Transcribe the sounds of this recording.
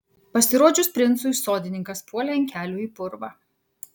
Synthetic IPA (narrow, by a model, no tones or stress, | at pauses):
pɐsʲɪɾoːd͡ʒʲʊspʲɾʲɪnt̪sʊsoːd̪ʲɪnʲɪŋkɐspuɔlʲɛɪŋʲkʲæːlʲuːiːˑpʊɾʋɐ